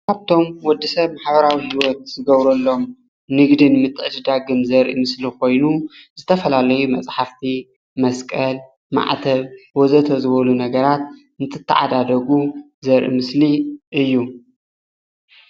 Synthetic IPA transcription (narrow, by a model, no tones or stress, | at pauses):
kʰaβt̪ʰo̞mwɔd̪ːisɐβmaħbɐɾawihiwɔt̪̚z̥ɨɡɐβɾɐlːo̞m | nɨɡd̪ɨnmɨt̪ʼːɨʔɨd̪ɨd̪aɡɨmzɐɾʔḭmɨslikʰo̞jnuz̥ɨt̪ʰɐfɐlalɐjumɐt͡sʼħaft̪ʰi | mɐskʼɐl | ma̰ʕt̪ʰɐβwɔzɐt̪ʰɐzɨβɐlunɐɡɐɾat̪̚ | ɨnɨt̪ʰɨt̪ʰːa̰ʕa̰d̪ad̪ɐɡu | zɐɾʔḭmɨsliʔɨjːu